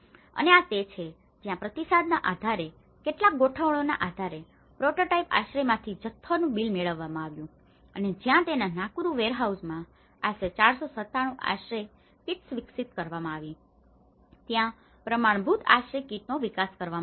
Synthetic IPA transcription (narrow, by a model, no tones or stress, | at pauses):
ə̰neat̪et͡ʃʰe | d͡ʒjãpɾət̪isad̪naʔad̪ʱaɾe | keʈlak̚ɡoʈʰəʋɭona̰ʔad̪ʱaɾe | pɾoʈoʈaipa̰ʃɾemãt̪ʰid͡ʒət̪ʰːonũbilmeɭəʋːamãaʋjũ | əned͡ʒjãt̪enanãkuɾũʋeɾɦausmã | aʃet͡ʃaɽsosət̪aɽ̃ũʔa̰ʃɾe | kiʈsʋɪksit̪kəɾʋamãaʋi | t̪jã | pɾəmaɳ̃bʱut̪ʰa̰ʃɾekiʈ̚noʋikaskəɾʋa